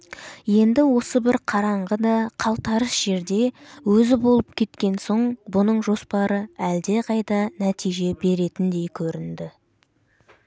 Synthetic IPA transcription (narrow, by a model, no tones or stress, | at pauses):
je̞nd̪ɪwo̞səbɪɾqʰɑɾɑɴʁəd̪ɑqʰɑlˠt̪ɑɾəsʒ̥e̞ɾd̪e̞wɵzɪbo̞lˠəpkʲʰe̞t̪kʲe̞nso̞ɴbʊnəɴʒo̞spɑɾəæld̪e̞qʰɑjt̪ɑnæt̪ʰijʒe̞be̞ɾe̞t̪ɪnd̪e̞jkʲʰɵɾɪnd̪ɪ